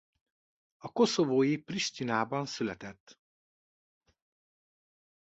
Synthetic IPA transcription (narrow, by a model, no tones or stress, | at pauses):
ɒko̞so̞voːjipriʃt̪inaːbɒnsylɛt̪ɛt̪ː